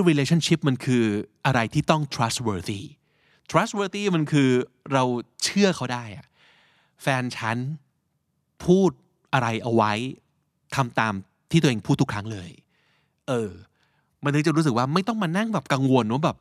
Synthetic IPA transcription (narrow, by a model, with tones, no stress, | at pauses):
ɾiː˧leː˧t͡ɕʰa˥˩nt͡ɕi˦˥p̚ma˧nkʰɯː˧ʔa˧ɾa˧jt̪ʰiː˥˩t̪ɔ˥˩ŋt̪ʰɾa˦˥st̚wɤː˧θiː˥˩ | t̪ʰɾa˦˥t̪̚wɤː˧t̪iː˥˩ma˧nkʰɯː˧ | ɾa˧wt͡ɕʰɯ˥˩ɐkʰa˥wdaː˥˩jʔa˨˩ʔ | fɛː˧nt͡ɕʰa˦˥n | pʰuː˥˩t̪̚ | ʔa˧ɾa˧jʔa˧wa˦˥j | t̪ʰa˧mt̪aː˧m | t̪ʰiː˥˩u˧eː˧ŋpʰuː˥˩t̪ːʰu˦˥kʰɾa˦˥ŋlɤː˧j | ʔɤː˧ | ma˧nt̪ʰŋt͡ɕa˨˩ɾuː˦˥s̬ɯ˨˩k̚waː˥˩ma˥˩jt̪ɔ˥˩ŋmaː˧na˥˩ŋbɛː˨˩p̚ka˧ŋwo˧nɾwa˥˩bɛː˨˩p̚